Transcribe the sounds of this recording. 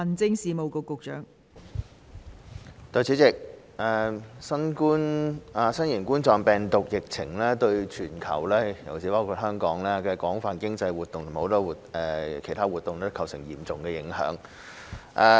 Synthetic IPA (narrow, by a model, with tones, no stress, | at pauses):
ɐ˨˩nt͡sɪ˥ŋsiː˨˧mo˨wko˨˧wkʊ˨k̚t͡ʃœ̰ː˨˥ŋ | t̪ɔː˨˧jt͡sʰi˨˥t͡sɪ˨k̚ | ɛ˨sɐ˥nkuː˥naː˨˧sɐ˥njiː˨˩nkuː˥nt͡sɔː˨˧ŋpɛː˨˩ŋt̪ʊ˨k̚jɪ˨k̚t͡sʰɪ̰˨˩ŋlɛː˥t̪ɵ˧ɥt͡ʃʰyː˨˩nkʰɐ̰˨˩wlɛː˥jɐ˨˩wt͡sʰi˨˥paː˥wkʰu˧t̚hœː˥ŋkɔː˨˥ŋlɛː˥kɛː˧kɔː˨˥ŋfaː˨nkɪ˥ŋt͡sɐ˧jwuː˨˩t̪ːʊ˨ŋt̪ʰʊ˨˩m˩ho˨˧wt̪ɔː˧˥wuː˨˩t̚ɛː˨˩kʰe˨˩jt̪ʰaː˥wuː˨t̪ːʊ˨ŋɛ˥kʰɐ˨˩wsɪ˨˩ŋjiː˨˩mt͡sʊ˨ŋkɛː˧jɪ˨˧˥ŋhœ̰ː˨˥ŋ | ʔɛ˧